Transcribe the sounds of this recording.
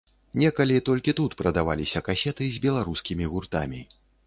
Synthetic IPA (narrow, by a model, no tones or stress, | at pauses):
nʲɛkɐlʲit̪ɔlʲkʲit̪ut̪pɾɐd̪ava̰lʲisʲɐkasʲɛt̪ɨzʲbʲɛlˠaɾuskʲimʲiɣurt̪a̰mʲi